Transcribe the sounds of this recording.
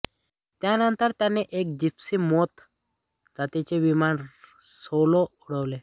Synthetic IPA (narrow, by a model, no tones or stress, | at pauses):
t̪janənt̪əɾt̪janeʔek̚d͡ʑipsimɔt̪ | d͡zat̪it͡ɕeʋimansoloɔɽəʋle